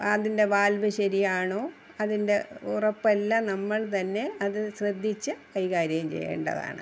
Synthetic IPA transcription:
ɐðinde̞ʋaːlʋɐɕɐɾijaːɳoː | ɐðinde̞urɐpːɐlːɐnɐmːɐɭt̪ɐnːe̞ɐðɨɕrɐd̪ʱːit͡ɕːɨkɐjkaːɾjɐɣɐmt͡ɕḛjːḛːɳɖɐ̰ða̰ːɳɨ

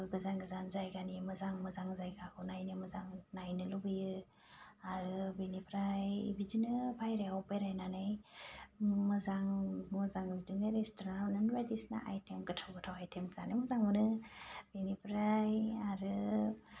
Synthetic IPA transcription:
ɡɯzaŋɡɯzanzajɡanimɯzaŋmɯzaŋzajɡakʰɯwnajnɯmɯzaŋnajnɯlubɯjɯ | aɾɯbenipʰɾaj̰bid͡ʒinɯbʰajɾeɔpajɾajnanɯj | mɯzaŋmɯzaŋbizɯŋɯɾestoɾanananbajdisna̰ʔa̰jtʰemɡɯtʰawɡɯtʰawajtʰemzanɯjmɔzaŋmɯnɯb̥enipɾajaɾɯ

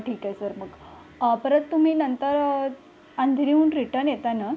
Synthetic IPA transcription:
ʈʰiːkajesəɾməɡ | pəɾət̪t̪ːum̤iːnənt̪əɾ | and̪ʱiɾiuːnɖɾiʈəɾnjet̪ana

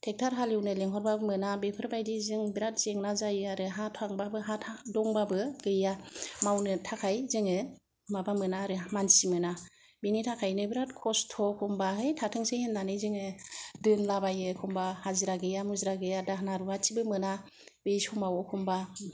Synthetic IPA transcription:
tʰek̚tʰaɾɦaliwnɯleŋɦɔɾbabɯmɯnabepʰɯɾbajdizɯŋbiɾat̚zeŋnazajɯaɾɯɦatʰaŋbabɯɦatʰadɔŋbabɯɡɯjamawnɯtʰakʰajzɯŋɯ | mabamɯnaɾɯmansimɯna | binitʰakʰajnɯbiɾat̚kʰɔstʰɔkʰɔmbaɦɯjtʰatʰɯŋsehenːanɯzɯŋɯdɯnlabajɯkʰɔmbahaziɾaɡɯjamuzɾaɡɯjadaɦnaɾubat͡ʃibɯmɯna | bejsɔmawɔkʰɔmba

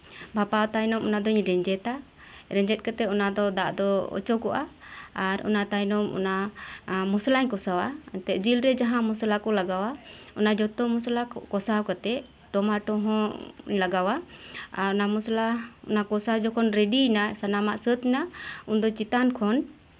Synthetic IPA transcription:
bʱapawt̪aɲnɔmɔnad̪ɔɲɾɛɲd͡ʒɛt̪a | ɾɛɲd͡ʒɛt̪̚kat̪ɛɔnad̪ɔd̪aʔd̪ɔɔ̰t͡ʃɔkɔʔa̰ː | ɾɔ̰nat̪ajnɔmɔ̰na | muslaɲkɔsawat̪ɛʔ̚d͡ʒilɾɛd͡ʒaɦãmɔslakɔlaɡawaɔnad͡ʒɔt̪ɔmuslakɔsawkat̪ɛ | ʈɔmaʈɔɦɔ̃laɡawaaɾɔnamuslaɔ̰nakɔsawd͡ʒɔkʰɔnɾɛɖinasanamaʔsət̪inaund̪ɔt͡ʃit̪ankʰɔn

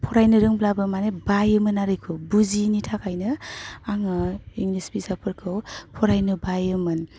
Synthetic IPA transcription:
pʰɔɾajnɯɾɯŋblabɯmanebajɯmɯnaɾɯjkʰɯbuzinitʰakʰajnɯaŋɯiŋlisbizapʰɯɾkʰɯwpʰɔɾajnɯbajɯmɯn

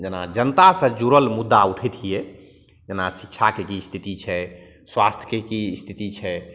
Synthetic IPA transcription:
d͡ʒenad͡ʒənət̪asə̃d͡ʒuɾəlmud̪ːauʈʰɛt̪ʰijɛ | d͡ʒenasikʃʰakekist̪ʰit̪it͡ʃʰɛ | swast̪ʰjəkekist̪ʰit̪it͡ʃʰɛ

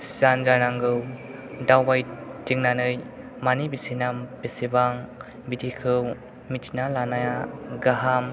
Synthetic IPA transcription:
sanzanaŋɡɯw | dawbajtiŋnanɯj | manibisinambesibaŋ | bidʰikʰɯw | mitʰinalanajaɡaɦam

